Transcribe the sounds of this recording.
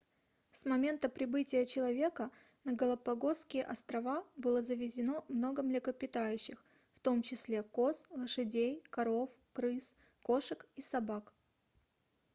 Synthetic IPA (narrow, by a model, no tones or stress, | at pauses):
smɐmʲe̞nt̪əpɾʲɪbɨtʲɪjət͡ɕɪlˠɐvʲe̞kə | nəɡəlˠɐpɐɡo̞skʲɪjəʔɐst̪ɾɐvabɨlˠəzəvʲɪzʲɪno̞mno̞ɡəmlʲɪkəpʲɪt̪ajʉɕːɪx | ft̪o̞mt͡ɕɪsʲlʲe̞koslˠəʂɨdʲejkɐɾo̞fkɾɨs | ko̞ʂɨkisɐbak